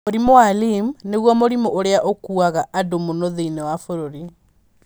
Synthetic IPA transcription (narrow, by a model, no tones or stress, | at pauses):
oɾimoalimneɣwɔmoɾimoʔoɾeaʔokuaɣaʔadomonoðeinewafoɾoɾi